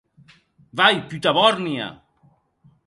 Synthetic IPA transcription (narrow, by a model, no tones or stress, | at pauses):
vajpyt̪aβɔɾnia̰